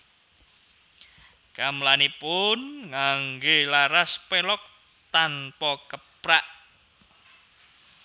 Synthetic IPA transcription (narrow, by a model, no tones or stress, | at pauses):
kamlanipʊnŋaŋɡelaɾaspelɔk̚ | t̪anpɔkəpɾaʔ